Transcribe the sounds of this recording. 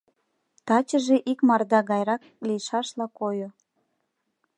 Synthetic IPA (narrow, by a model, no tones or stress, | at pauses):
t̪ɑt͡ɕəʒeʔikmɑrd̪ɑɣɑjɾɑk | lijʃɑʃlɑkojo